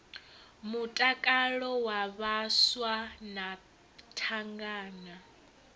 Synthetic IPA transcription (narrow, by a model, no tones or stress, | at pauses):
mutʼakʼalɔwaβaswana | tʰaŋɡaːna